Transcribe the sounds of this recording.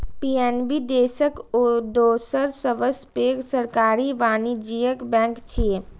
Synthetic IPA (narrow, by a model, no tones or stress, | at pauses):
piːeːnbid̪eːsəkod̪oːsəɾsəʋəspeːɡsəɾkaːɾiʋaːnid͡ʒijəkbɛ̃ːŋkt͡ʃʰie